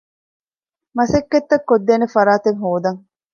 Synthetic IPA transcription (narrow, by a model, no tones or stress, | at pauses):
mɐsekːet̪ːɐkːod̪ːeːnefɐɾaːt̪eŋɦoːd̪ɐŋ